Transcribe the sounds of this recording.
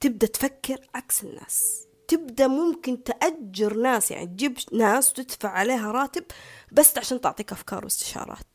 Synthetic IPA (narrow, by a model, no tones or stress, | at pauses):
t̪ɪb̚d̪at̪fakːɪɾʕaksɪnːa̰ːs | t̪ɪbd̪amʊmkɪnt̪ʔad͡ʒːɪɾnaːsja̰ʕnḭt̪̚d͡ʒibʃnaːswt̪ɪd̪faʕːaleːɦaɾˤɑːt̪ɪbbasːʕaʃaːnt̪ʊʕt̪ˤiːkʔafkɑ̰ːɾˤwɪst̪ɪ̥ʃɑ̰ːɾˤɑ̰ːt̪̚